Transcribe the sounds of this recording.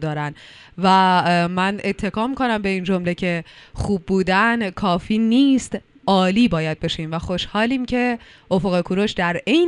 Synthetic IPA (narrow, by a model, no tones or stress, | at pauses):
d̪ɒːɾæn | væmæne̞t̪ʰːe̞kʰɒːmiːkʰo̞næmbe̞iːnd͡ʒo̞mle̞cʰe̞χuːbːuːd̪ænkʰɒːfiːniːst̪ | ʔɒːliːbɒːjæd̪̚be̞ʃiːmvæxo̞ʃhɒːliːmcʰe̞ | ʔofoɣe̞kʰuɾoʃd̪æɾejn